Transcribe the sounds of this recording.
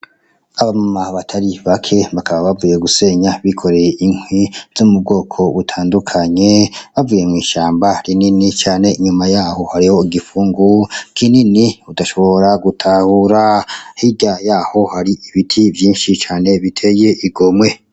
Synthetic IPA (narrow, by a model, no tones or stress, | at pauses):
aβamumaβatʰaɾiβakʰe̞βakaβaβavuje̞ɡuse̞ɲaβikʰo̞ɾe̞jeʔiŋwiz̥umub̚ɡo̞ːkʰo̞βutʰaːndukʰaɲe̞βavuje̞mŋwiːʃaːmbaɾininit͡ʃaːne̞iɲumajaːho̞haɾiho̞iɡifuːŋɡukʰininiudaʃo̞βo̞ɾaɡutʰahuɾahiɟajaːho̞haɾiiβitʰivjiːnʃit͡ʃaːne̞βitʰe̞jeʔiɡo̞mwe̞